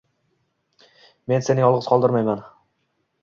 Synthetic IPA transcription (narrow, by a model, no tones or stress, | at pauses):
me̞nse̞nɪjɒlˠʁɨz̥qʰɒlˠd̪ɪɾmajman